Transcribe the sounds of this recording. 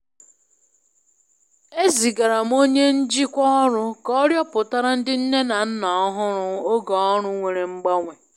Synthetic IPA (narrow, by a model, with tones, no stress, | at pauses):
e˦zi˨ɡa˨ɾa˨m˦o˦ɲe˦n̩˦d͡ʒi˦kʷɔ˦ɔ˦ɾʊ˦kɔ˦ɾjɔ˦pʊ˨ta˦ɾa˦n̩˦dɪ˦n̩˦ne˦na˨n̩˦nɔ˨ɔ˦ɦʊ˦ɾʊ˦o˦ɡɔ˨ɔ˦ɾʊ˦ŋʷe˨ɾe˨ŋ͡m̩˦ɡ͡ba˦ŋʷe˨